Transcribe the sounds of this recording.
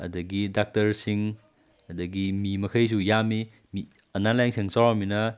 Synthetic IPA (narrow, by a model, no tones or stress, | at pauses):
ɐ̰dɐɡidak̚tɐɾsiŋ | ɐdɐɡimimɐkʰɐjs̬ujami | mi | ɐnalajnsiŋsawaminɐ